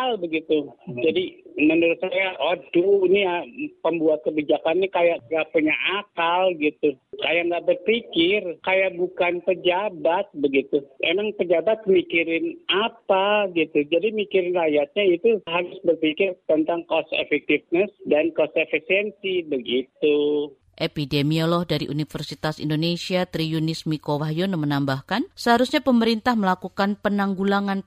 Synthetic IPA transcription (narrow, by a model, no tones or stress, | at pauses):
albəɡit̪ud͡ʒadimənuɾʊt̪̚sajaʔoduniapəmbuat̪̚kəbid͡ʒakanːikajaʔŋɡaʔpuɲaʔakalɡit̪ukajaʔŋɡaʔbərpikɪrkajaʔbukanpəd͡ʒabat̪̚bəɡit̪uemaŋpəd͡ʒabat̪̚mikiɾɪnapaɡit̪ud͡ʒadimikiɾɪnrajat̪̚ɲait̪uɦaɾʊsbərpikɪrt̪ənt̪aŋkɔsḛfɛk̚t̪ifnəsdankɔsefisiɛnsibəɡit̪u | ʔepidemiolɔhdaɾiʔunifərsit̪asḭndonesiat̪ɾiunɪsmikowaɦjonomənambahkansəɦaɾusɲapəməɾint̪ahməlakukanpənaŋɡulaŋan